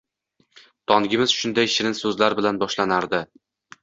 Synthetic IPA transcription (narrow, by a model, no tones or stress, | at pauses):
t̪ʰɒŋɡʲɪmɪzʃʊnd̪ajʃɪɾɪnsɵzlaɾbɪlanbɒʃlanaɾd̪ɪ